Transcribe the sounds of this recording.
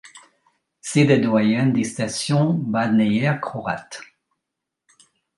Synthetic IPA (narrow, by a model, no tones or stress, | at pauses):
sed̪ed̪wajɛnd̪est̪asjɔ̃bad̪nejɛakχɔʁa̰t̪